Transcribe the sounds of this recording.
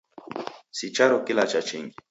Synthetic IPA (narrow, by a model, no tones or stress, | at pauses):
sit͡ʃaɾɔkilat͡ʃat͡ʃiŋɡi